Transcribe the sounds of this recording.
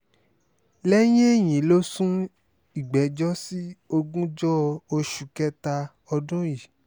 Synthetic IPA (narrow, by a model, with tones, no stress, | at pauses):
lɛ˦j̃ẽ˦e˦˨j̃ĩ˨˦lo˦sũ˦ | i˨ɡ͡bɛ˨˦d͡ʒɔ˦si˦o˧ɡũ˦d͡ʒɔ˦o˧ʃu˨kɛ˦ta˧ | ɔ˧dũ˦ji˦˨